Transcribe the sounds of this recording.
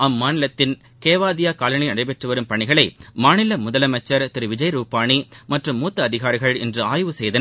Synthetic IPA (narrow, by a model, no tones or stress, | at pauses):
ɐmːaːnɪlɐt̪ːɪn | keːʋaːðɪjaːkaːlɐɳɐɪnɐɽɐɪpɛʈrɯʋɐɾɯmpɐɳɪɣɐɭɐɪmaːnɪlɐmʊðɐlɐmɐt͡ʃːɐɾt̪ɪɾɯʋɪd͡ʒɐɪɾuːpaːɳimɐʈrɯmːuːt̪ːɐːðɪɣaːɾɪɣɐɭɛndrɯaːjʋɯsɛjðɐn